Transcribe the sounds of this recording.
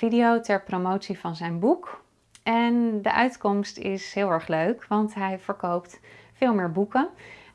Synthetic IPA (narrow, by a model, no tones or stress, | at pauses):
idijowtɛɹpromowtsivɑnzɛjnbuk | ɛndəʔœɥtkɔmstɪsɦɪːlˠɛɹχløɥkʋɑntɦɛjvəɹkowptfɪːlˠmɪːɹbukə